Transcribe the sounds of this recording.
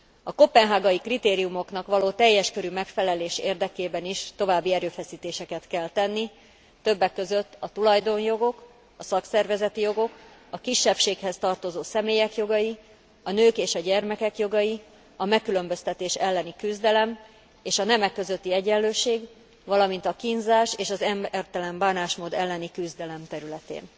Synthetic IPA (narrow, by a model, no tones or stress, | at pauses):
ɒko̞pːɛnɦaːɡɒikrit̪eːɾijumo̞knɒkʋɒloːt̪ɛjːɛʃkøɾymɛkfɛlɛleːʃḛːrd̪ɛkeːbɛniʃt̪o̞vaːbːiɛɾøːfɛsiːt̪eːʃɛkɛt̪kɛlt̪ɛnːi | t̪øbːɛkːø̞zøt̪ːɒt̪ulɒjd̪o̞njo̞ɡo̞k | ɒsɒksɛrvɛzɛt̪ijo̞ɡo̞kɒkiʃːɛpʃeːkhɛst̪ɒrt̪o̞zoːsɛmeːjɛkjo̞ɡɒji | ɒnøːkeːʃɒɟɛrmɛkɛkjo̞ɡɒji | ɒmɛkːylø̞mbø̞st̪ɛt̪eːʃɛlːɛnikyzd̪ɛlɛm | eːʃɒnɛmɛkːø̞zø̞t̪ːiɛɟɛllːøːʃeːɡ | vɒlɒmint̪ɒkinzaːʃeːʃɒzɛmrt̪ɛlɛmbaːnaːʃmoːd̪ɛlːɛnikyzd̪ɛlɛmt̪ɛɾylɛt̪ḛːn